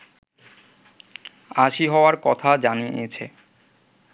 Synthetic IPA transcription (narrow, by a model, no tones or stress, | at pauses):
aʃiɦɔoaɾkɔt̪ʰad͡ʑaniet͡ɕʰḛ